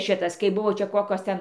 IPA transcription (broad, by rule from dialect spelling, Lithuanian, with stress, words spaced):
ˈʃʲɪtɐs kɐɪ ˈbʊʋoː ˈt͡ʃʲɛ ˈkoːkʲoːs ˈtʲɛn